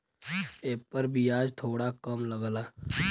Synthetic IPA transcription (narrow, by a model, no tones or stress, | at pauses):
eːpəɾbʱiaːd͡ʒt̪ʰoːɽakəmləɡlaː